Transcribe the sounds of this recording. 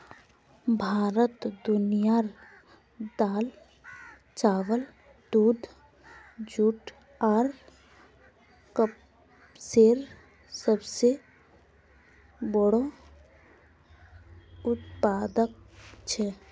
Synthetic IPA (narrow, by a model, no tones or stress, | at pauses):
bʱaːɾət̪d̪ʊnijaɾ | d̪aːl | t͡ʃaːʋəl | d̪uːd̪ʱ | d͡ʒuːʈ | aːɾ | kəp | seːɾ | səbse | bəɽo | ʊt̪̚paːd̪ək̚t͡ʃʰɛ